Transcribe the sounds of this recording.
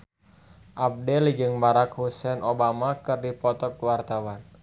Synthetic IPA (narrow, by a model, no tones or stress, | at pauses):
ʔap̚dɛlid͡ʒɨŋbaɾakhusɛnʔobamakɨrdipɔt̪ɔk̚wart̪awan